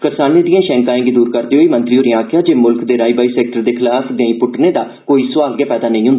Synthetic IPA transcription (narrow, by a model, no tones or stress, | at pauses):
kəɾsaːneːd̪ĩjãːʃɛ̃ːŋkãːẽːɡid̪uːɾkəɾd̪eːɦoːiːmənt̪ɾiːɦoːɾɪjãːkʰjãːd͡ʒeːmʊlkd̪eːɾaːiːbaːiːsɛːkʈəɾd̪eːkʰɪlaːpʰd̪ẽːĩːpʊʈneːd̪aː | koːiːsʊʋaːlɡɛːpɛːd̪aːnə̃ĩːɦʊ̃nd̪aː